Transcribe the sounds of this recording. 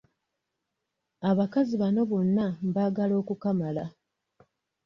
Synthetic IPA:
aβakaziβano̞βo̞nːamβaːɡalo̞ːkukamala

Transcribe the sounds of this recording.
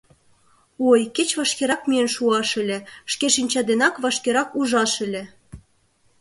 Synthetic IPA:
ojket͡ɕβɑʃkeɾɑkmienʃuɑʃɘ̆lʲĕʃkeʃinʲt͡ɕɑd̪enɑkβɑʃkeɾɑkuʒɑʃə̆lʲĕ

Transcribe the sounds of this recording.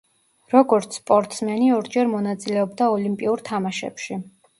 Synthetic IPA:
ɾɔɡɔɾt̪sʰspʼɔɾt̪ʼsmɛniɔɾd͡ʒɛɾmɔnat̪sʼilɛɔbd̪aɔlimpʼiuɾt̪ʰamaʃɛ̰pʃi

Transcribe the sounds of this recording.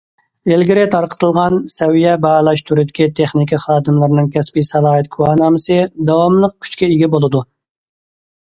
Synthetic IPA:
elɡʲiɾɪt̪ʰɑɾqʰə̥t̪ʰɨlˠʁɑnsɛwijɛbɑlˠɑʃt̪ʰuɾɪd̪ɪkʲit̪ʰeχnikʲʰiχɑːd̪ɨmlˠɨɾɨnɨŋkʲʰɛspisɛlˠɑːɦɨt̪kʰuɑːnɑːmɨsɨd̪ɑwɑmlˠəq̚kʲʰy̥t͡ʃkʲɛiɡʲibolˠɨd̪u

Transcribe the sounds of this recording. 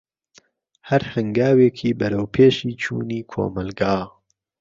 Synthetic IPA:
hɐɾhɨŋɡaːweːkʰiːbɐɾɐwpʰeːʃiːt͡ʃʰṵːniːkʰo̰ːmɐlɡaː

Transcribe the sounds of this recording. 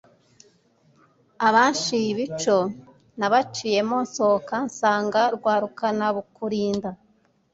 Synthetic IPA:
aβaːnʃiβit͡ʃo̞ | naβat͡ʃije̞mo̞nso̞kansaːŋɡaɾɡwaːɾukanaβukuɾiːnda

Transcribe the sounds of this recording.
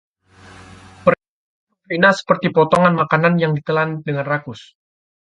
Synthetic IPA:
pər | plinasə̥pərt̪ipɔt̪ɔŋanmakananjaŋdit̪əlandəŋanrakʊs

